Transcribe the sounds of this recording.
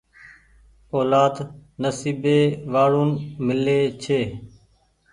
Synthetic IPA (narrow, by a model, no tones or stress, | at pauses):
oːlaːd̪nəsiːbeːʋaːɽuːnmɪleːt͡ʃʰeː